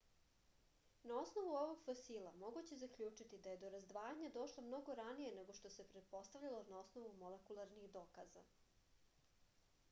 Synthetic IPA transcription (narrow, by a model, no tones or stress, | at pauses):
nao̞sno̞ʋuo̞ʋoɡfosiːlˠamo̞ɡut͡ɕezakʎʲuːt͡ʂit̪id̪aje̞d̪o̞ɾazd̪ʋaːjaɲad̪o̞ʃlˠomno̞ɡo̞ɾanije̞ne̞ɡo̞ʃt̪o̞se̞pɾe̞t̪̚po̞st̪aʋʎalˠo̞nao̞sno̞ʋumo̞lekulˠaɾnixd̪oːkaza̰